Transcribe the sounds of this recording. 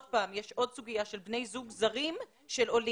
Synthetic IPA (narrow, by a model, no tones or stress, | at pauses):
dpaːmjeʃo̞dsuɡijaʃelbne̞jzuɡzaʁim | ʃe̞lo̞li